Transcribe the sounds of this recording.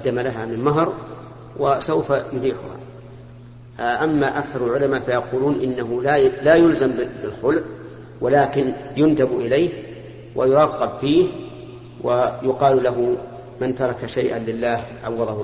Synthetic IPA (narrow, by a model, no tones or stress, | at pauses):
ɑd̪ːamalaɦamɪnmaɦɾˤ | wʔasawfajʊliːħʊha̰ | ʔamːaʔakθɑɾˤalʕʊlamafajɑquːluːnʔɪnːaɦʊlalajʊlzambɪlxʊlʕ | walaːkɪnjʊnt̪abʔɪlajh | wʔa̰jʊɾˤɑːqːɑbfiːh | wʔajʊqɑːllaɦʊ | mant̪ɑɾˤɑkaʃajʔanlɪlːaːhʕawːɑðˤɑh